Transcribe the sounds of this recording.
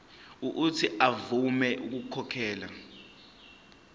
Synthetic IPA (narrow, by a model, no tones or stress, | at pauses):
uʔːtʰiʔavumɛʔuk̬ukʰɔkʰɛːla